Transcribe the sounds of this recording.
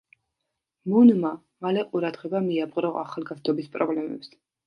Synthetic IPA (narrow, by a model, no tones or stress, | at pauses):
munma | malɛqʼuɾad̪ʁɛbamiabʁʼɾɔʔa̰χalˠɡazd̪ɔbispʼɾɔblɛmɛ̰ps